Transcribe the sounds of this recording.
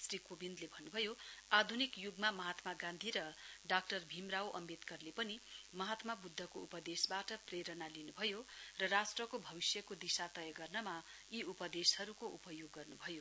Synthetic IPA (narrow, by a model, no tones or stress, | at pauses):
srikobind̪lebʱʌnːubʱʌjoad̪ʱunikjuɡmamʌɦat̪maɡãnd̪ʱiɾʌɖak̚ʈʌrbʱimrawʔʌ̰met̪kʌrlepʌnimʌɦat̪mabud̪ʱːʌkoupʌd̪esbaʈʌpreɾʌnalinubʱʌjorʌrasʈrʌkobʱʌbisjʌkod̪isat̪ʌjʌɡʌrnʌma | iupʌd̪eshʌɾukoupʌjoɡːʌrnubʱʌjo